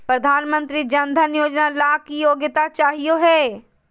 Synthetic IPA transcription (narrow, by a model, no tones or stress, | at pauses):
pɾɐd̪ʱaːnmə̃nt̪ɾid͡ʒɐnd̪ʱənjoːd͡ʒnalaːkijoːɡɪt̪at͡ʃaːɦijoɦɛː